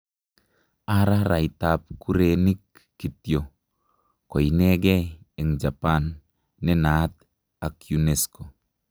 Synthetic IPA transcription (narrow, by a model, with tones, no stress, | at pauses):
a˦ɾa˦ɾa˨itap̚ku˦ɾeni˦kː | i˨tjo | ko˨inɛɡɛ˦ | eŋd͡ʒa˨panː | ɛ˦nat̪ | a˨kju˨nesko˨